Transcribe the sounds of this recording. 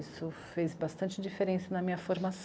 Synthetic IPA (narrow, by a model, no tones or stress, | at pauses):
isʊfejzbast̪ɐ̃nt͡ʃɪd͡ʒifeɾẽsɐnɐmĩɲɐfoɾmas